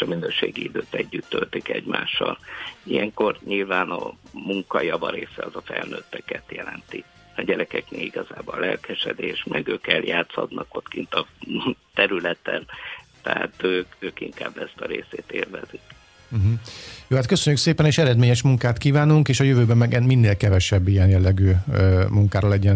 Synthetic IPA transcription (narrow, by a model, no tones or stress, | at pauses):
eʃɒminøːʃeːɡiid̪øːt̪ɛɟːyt̪ːølt̪ikɛɟma̰ːʃːɒlijɛŋko̞rɲilvaːnɒmuŋkɒjɒvɒɾeːsɛɒzɒfɛlnøːt̪ːɛkɛt̪jɛlɛnt̪i | ɒɟɛɾɛkɛkneːliɡɒzaːbollɛlkɛʃɛd̪eːʃmɛɡøːkɛljaːt̪shɒd̪nʔɒko̞t̪kint̪ɒt̪ɛɾylɛt̪ɛnt̪ɛa̰ːt̪øːkøːkiŋkaːblɛst̪ɒɾeːseːt̪eːlvɛzik | m̩ɦm̩joːhat̪køsøɲːykseːpɛneːʃɛɾɛd̪meːɲɛʃmuŋkaːt̪kiːvaːnuŋkeːʃɒjøvøːbɛmmɛɡɛminːeːlkɛvɛʃɛbːijɛnjɛlːɛɡyːmuŋkaːɾɒlɛɟɛn